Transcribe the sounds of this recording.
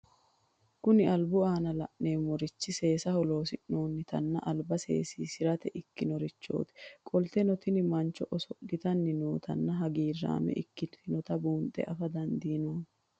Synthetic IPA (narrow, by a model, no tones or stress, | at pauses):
kʊnɪɐlbʊaːnɐlɐʔne̞ːmɔɾɪt͡ʃːɪse̞ːsɐhɔlo̞ːsɪnoːnːɪt̪ɐ̰nːɐ̰ʔɐlbɐse̞̰ːsiːsɪɾɐt̪ɛʔɪkːɪnɔɾɪt͡ʃːo̰ːt̪ɪ̥kʼɔlt̪ɛnɔt̪ɪnɪmɐnt͡ʃːɔʔɔsɔɡɪt̪ɐnːɪnoːt̪ʰɐ̰nːɐɦɐɡiːrːa̰ːmɛ̰ʔɪkːɪnt̪ɪnɔt̪ɐbuːnt̪ʼːɛ̰ʔɐfɐd̪ɐnd̪iːnoːn